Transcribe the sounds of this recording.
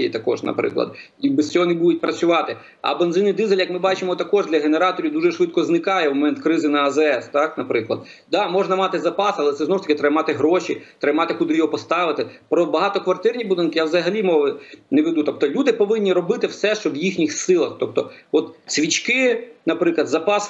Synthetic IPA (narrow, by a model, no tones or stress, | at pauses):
ijḭt̪ɐkɔ̰ʒnɐ̰pɾɪ̰klˠɐ̰d̪ | ibɛst͡sʲɔɦɔnɛbud̪ʊt̚ʲpɾɐt͡sʲʊʋɑt̪ɪ | ɐ̰benzɪnɪd̪izelʲjɐkmɪbɑt͡ʃɪmɔt̪ɐkɔʒd̪lʲɐɦeneɾɑt̪ɔɾʲiwd̪uʒɛʃʋɪt̪kɔznɪkɑjɛwmɔmɛnt̪kɾɪzɪnɐɐzɛɛst̪ɑknɐpɾɪklˠɐ̰d̪ | d̪ɑmɔʐnɐmɑt̪ɪzɐpɑsɐlˠɛt̪sɛznɔu̥t̪ɐkʲɪt̪ɾɪmɑt̪ɪɦɾɔʃḭt̪ɾɪmɑt̪ɪkud̪ɪjɔɦɔpɔst̪ɑʋɪt̪ɪpɾɔbɐɦɑt̪ɔkʋɐrt̪ɪrnʲibʊd̪ɪnkɪjawzɐɦɐlʲimɔʋɪnɛʋed̪ut̪ɔp̚t̪ɔlʲud̪ɪpɔʋɪnʲːiɾɔbɪt̪ɪwsɛʃt͡ʃɔʋjixnʲixsɪlˠɐxt̪ɔp̚t̪ɔɔt̪sʲʋʲit͡ʃkɪnɐpɾɪklˠɐd̪zɐpɑs